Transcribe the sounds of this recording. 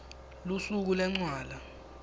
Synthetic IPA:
lusuk̬ulɛŋ͡ǀwaːla

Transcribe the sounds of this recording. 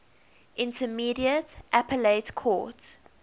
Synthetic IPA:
ʔɪ̃ntʰəmiːɾiətʔapəleɪtkʰɔ̰ːt

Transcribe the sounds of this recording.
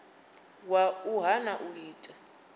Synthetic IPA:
wauɦanaʔuɦiːtʼa

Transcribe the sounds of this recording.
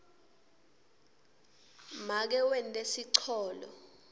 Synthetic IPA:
mak̬ɛwɛntʼesiǀʰɔːlɔ̰

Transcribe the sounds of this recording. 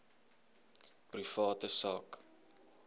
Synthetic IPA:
prifɑːtəsɑ̰ːk

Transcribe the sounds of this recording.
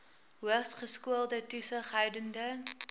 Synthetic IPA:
ɦuəχsχəskuəlˠdətusəχɦəjdəndə

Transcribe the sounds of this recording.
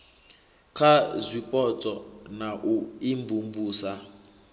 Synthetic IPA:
kʰazʷipʼɔt͡sʼɔnaʔuiɱvuɱvuːsa

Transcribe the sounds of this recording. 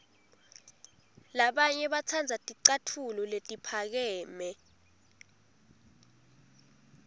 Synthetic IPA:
laɓaɲɛɓat͡sʰand͡zʱatʼiǀatʰulɔletʼipʰak̬ɛːmɛ

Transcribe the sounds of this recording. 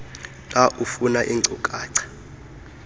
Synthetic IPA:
lʼaʔufunaʔiŋ͡ǀʱukʼaːǀʰḁ

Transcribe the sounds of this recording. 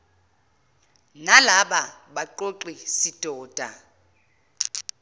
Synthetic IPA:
nalaɓaɓaǃoǃisid̥ʼʱɔːd̥ʱa̰

